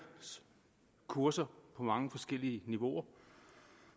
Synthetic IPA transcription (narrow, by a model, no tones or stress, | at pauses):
s | kʰuɐsɐpʰɒ̽mɑ̈ŋəfɒ̽sɡ̥el̰iəniʋo̝ɐ